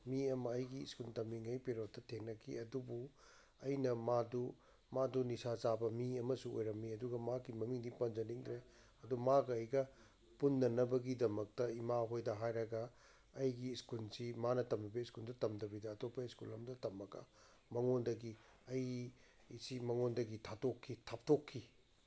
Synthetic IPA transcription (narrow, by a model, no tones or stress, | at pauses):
miɐmɐːjɡḭːskultɐmiŋɐjpeɾot̚ːɐtʰenːɐkʰḭɐdubu | ɐjnɐmadu | madunisat͡ʃabɐmiɐmɐsuo̰jɾɐmːiɐduɡɐmakimɐmiŋdipɐnd͡ʒɐniŋdɾe | ɐdumaɡɐːjɡɐ | punːɐnɐbɐɡidɐmɐk̚tɐimaɦojdɐɦajɾɐɡɐː | jɡiːskulsimanɐtɐmɐbeiskuldɐtɐmdɐbidɐːtopːɐiskulɐmdɐtɐmːɐkɐ̰ | mɐŋondɐɡi | ɐj | isimɐŋondɐɡitʰatokʰːitʰap̚tʰokʰːi